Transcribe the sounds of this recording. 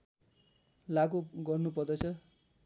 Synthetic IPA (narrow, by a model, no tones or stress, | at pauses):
laɡoɡʌrnupʌrd̪ʌt͡sʰʌ